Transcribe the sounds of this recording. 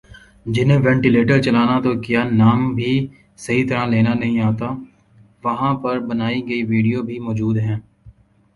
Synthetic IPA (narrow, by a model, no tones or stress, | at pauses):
d͡ʒɪnɦẽʋɛ̃ːɳʈileːʈəɾt͡ʃɐlaːnat̪okijanaːmbʱi | sɐɦit̪ɐɾãleːnanɐɦĩaːt̪aː | ʋɐɦãpɐɾbɐnaːiɡɐiʋiːɖijobʱimɔːd͡ʒuːd̪ɦɛ̃ː